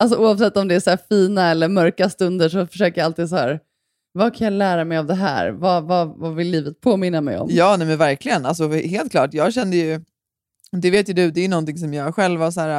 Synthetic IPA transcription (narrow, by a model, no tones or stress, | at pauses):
als̬ɔʔuːavsɛt̪ːɔmd̪ɛæsæːfiːnaɛlːəɾmœɾkast̪ɵnd̪əʂɔfœ̥ʂøːkəjaalt̪iːd̪sɔhæ̰ːɾ | vakʰanjalæːɾamɛjavd̪ɛɦæ̰ːɾvavavavɪlːiːvət̪̚pʰoːmɪnːamɛ̰jɔ̰mjɑːnɛmɛnvæɾkʰlɪɡənals̬ɔheːlt̪kʰlɑ̰ːʈjɑːɡɕɛnd̪əjɵ | d̪ɛveːt̪jɵd̪ɵd̪ɛːjɵnɔnt̪ɪŋs̬ɔmjɑːɡɧɛlvasæːɾa